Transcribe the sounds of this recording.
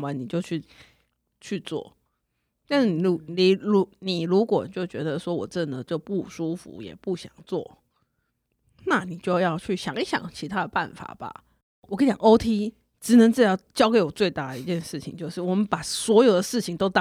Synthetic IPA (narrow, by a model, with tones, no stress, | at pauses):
wa˨˦ni˨˩t͡ɕjo˥˧ʊt͡ɕʰy˥˧ | t͡ɕʰy˥˧t͡swɔ̰˥˩ | t̪a˥˧nʂ̩˥˩ni˨˩u˧˥ni˨˩ɻu˧˥ni˨˩ɻu˧˦˥kwɔ˨˩t͡ɕjo˥˩ʊt͡ɕɥɛ˧˥d̪ə˧ʂwɔ˥wɔ̰˨˩ʈ͡ʂə˥˩nd̪ə˨˦ʈ͡ʂə˥˧˦pu˥˩ʂu˥fṵ˧˦jɛ̰˨˩pu˥˩ɕjɑ̰˨˩ŋt͡swɔ̰˥˩ | na˥˩ni˨˩t͡ɕjo˥˧ʊjɑ˥˧ʊt͡ɕʰy˥˩ɕjɑ̰˨˩ŋi˥˩ɕjɑ̰˨˩ŋt͡ɕʰi˧˥t̪ʰa˦˥d̪ə˨pa˥˨˩nfa̰˨˩b̥a̰˦ | wkʰe˧˥˩t͡ɕjɑ̰˨˩ŋ˧o˥ʊt̪ʰi˥ | ʈ͡ʂɻ̩˨˩nə˧˦ŋt͡s̩˥˩˨ɑ˥ʊt͡ɕjɑ˥ʊke˧˥ɪwɔ˨˩t͡swe˥˧ɪt̪a˥˩d̪ə˩i˧˥t͡ɕjɛ˥˧nʂɻ̩˥˩t͡ɕʰḭ˨˦ŋt͡ɕjo˥˧ʊʂɻ̩˥˩wɔ˨˩mə˦npa˨˩swɔ˧˥jo˨˩ʊd̪ə˦ʂɻ̩˥˩t͡ɕʰi˨˩ŋt̪o˥ʊt̪ɑ˥